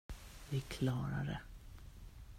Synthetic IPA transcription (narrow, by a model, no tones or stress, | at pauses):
vɪkʰlɑːɾa̰ɾɛ